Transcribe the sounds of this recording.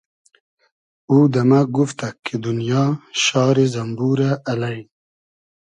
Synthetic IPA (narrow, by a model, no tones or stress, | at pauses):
ud̪amaɡuft̪akːed̪unjɑːʃɑːɾezɐmbuɾaːlai